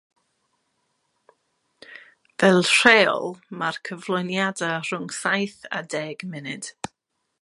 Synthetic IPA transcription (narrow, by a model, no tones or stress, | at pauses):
vɛlˠr̥ɛːɔ̰lˠmarkʰəvlˠɔjnjadar̥ʊŋsajθa̰dɛːɡmɛnɪd̥